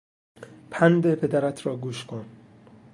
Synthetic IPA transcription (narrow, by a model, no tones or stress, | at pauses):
pʰænd̪epʰe̞d̪æɾæt̪ʰɾɒːɡuːʃkʰon